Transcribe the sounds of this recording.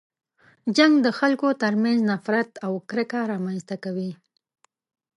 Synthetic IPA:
d͡ʒaŋɡd̪əxalkot̪əɾmanznafɾat̪awkɾɪkaɾɑmanzt̪akawi

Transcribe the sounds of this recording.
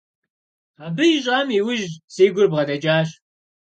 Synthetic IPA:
abɨjɪɕʼaːmiwʊʒseːɡʷʊrbʁɐdɐd͡ʒʼaːɕ

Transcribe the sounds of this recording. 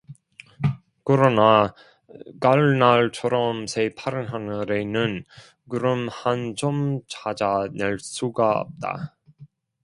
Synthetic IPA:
kɯɾʌna | kaɭnaɭt͡ɕʰʌɾʌmsʰepʰaɾɯnɦanɯɾenɯn | kɯɾɯmhand͡ʑʌmt͡ɕad͡ʑaneɭs͈uɡaʌ̰p̚t͈a̰

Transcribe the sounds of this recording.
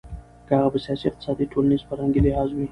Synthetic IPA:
kəhaɣabəsijɑsiɪq̚t̪ɪ̥sɑd̪iʈʰolanizpəɾaŋɡelɪhɑzwi

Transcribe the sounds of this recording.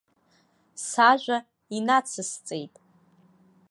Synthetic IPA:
saʒᶣʷa | inat͡sʰɨst͡sʼejtʼ

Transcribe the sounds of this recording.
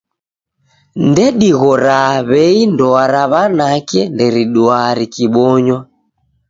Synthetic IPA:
ndɛɗiɣɔɾaβɛindɔaɾaβanakɛndɛɾiɗuaɾikiɓɔɲwa

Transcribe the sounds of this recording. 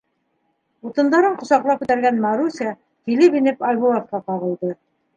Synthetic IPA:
ut̪ɤ̆nd̪ɑɾɤɴqŏsɑqlˠɑp̚kʉt̪æɾɡænmɑɾusʲiɑ | kilɘpinɘpɑlʲβulˠat̪̚qɑqɑʁɤ̆lˠd̪ɤ

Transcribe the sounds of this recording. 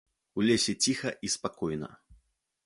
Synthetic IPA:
ulʲesʲɛt͡sʲixɐʔispakɔjnɐ̰

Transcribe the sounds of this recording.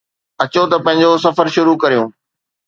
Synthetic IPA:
ɐt͡ɕot̪ɐpɐ̃ɦɪ̃ɲ̆d͡ʑos̬ɐfəɾʃʊɾukɐɾijũː

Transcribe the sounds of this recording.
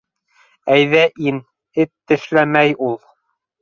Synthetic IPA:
æjðæʔin | ɘt̪ːɘ̆ʃlæmæjulˠ

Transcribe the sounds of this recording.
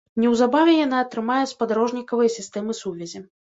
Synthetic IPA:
nʲɛwzabavʲɛjanaːt̪ɾɨmajɛspad̪aɾɔʐnʲikɐvɐjsʲist̪ɛmɨsuvʲɐzʲi

